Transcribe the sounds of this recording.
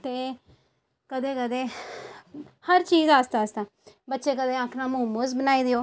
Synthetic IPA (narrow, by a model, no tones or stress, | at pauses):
t̪eː | kəd̪eːkəd̪eː | həɾt͡ʃiːzaːst̪aːst̪aː | bətːʃeːkəd̪eːãkʰnãːmũːmozbənaːiːd̪ɪjoː